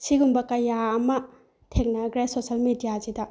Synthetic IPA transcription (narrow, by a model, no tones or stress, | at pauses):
siɡumbɐkɐjaːmɐ | tʰek̚nɐɡɾajsosɐlmidijazidɐ